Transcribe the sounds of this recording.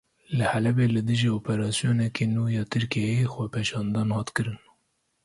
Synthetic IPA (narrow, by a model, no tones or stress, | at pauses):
lɨhælɛbeːlɨd̪ɨʒioːpɛɾɑːsjoːnɛkeːnuːjɑːt̪ʰɨɾkejjexʷɛpʰeʃɑːnd̪ɑːnhɑːt̪kɨɾɨn